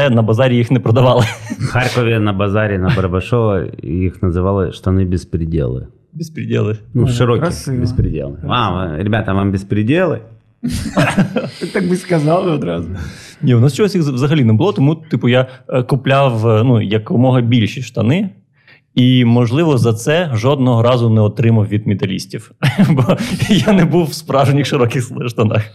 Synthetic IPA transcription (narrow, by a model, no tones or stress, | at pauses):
ɛnɐbɐzaɾʲijixnɛpɾɐd̪ɐʋɑlˠɪxarkɔvʲɪnɐbɐzaɾʲɪnɐbɐɾbɐʂoɐ̰jixnɐzɨʋalˠɪʂt̪ɐnɨbʲɪspɾʲɪdʲḛlˠɨ̰ | bʲɪspɾʲɪdʲḛlˠɪnuʃʂɨɾokʲɪxbʲɪspɾʲɪdʲḛlˠaɾʲɪbʲat̪ɐvambʲɪspɾʲɪdʲelˠɪ̰ | ɨt̪ak̚bɨskɐzɑlˠɪɔd̪ɾazʊ | nʲiʊnɔsʲt͡ʃɔɦɔsʲjixzʋzɐɦɐlʲinɛbʊlˠɔt̪ɔmut̪ɨpʊjakʊplʲawnujɐkʋɪmɔɦɐbʲilʲʃiʃt̪ɐnɪ | imɔʒlˠɪʋɔzɐt̪sɛʒɔd̪̚nɔɦɔɾɑzʊnɛɔt̪ɾɪmɐwʋʲid̪mʲɪt̪ɐlʲisʲtʲiwbɔjanɛbuwspɾɑʒenʲixʃɪɾɔkʲɪxʃt̪ɐnɑ̰x